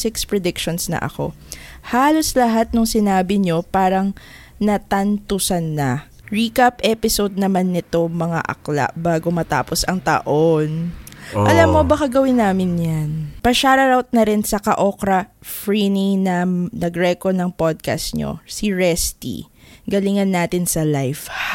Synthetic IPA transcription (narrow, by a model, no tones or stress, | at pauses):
sɪkspɹɛd̪ɪkʃonsnɐ̰ʔɐ̰ko̞̰ | haːlo̞slɐɦat̪̚nʊŋsɪnaːbɪɲo̞paːɾɐŋ | nɐt̪ɐnt̪ʊsɐnːɐ | ɹiːkapʔɛpɪsod̪̚nɐmanːɪt̪o̞mɐŋa̰ʔɐ̰kla̰ʔbaːɡomɐt̪a̰ːposʔɐŋt̪ɐ̰ʔonʔɐlamːobɐkɐɡɐwɪnːaːmɪnjanpɐʃaɾɐɾawt̪̚nɐɾɪnsɐkɐʔokɾɐfɹiniŋnɐnɐɡɾɛkonɐŋpod̪̚kɐ̰st̪̚ɲo̰siɹɛst̪ḭ | ɡɐlɪŋɐnːaːt̪ɪnsɐlajf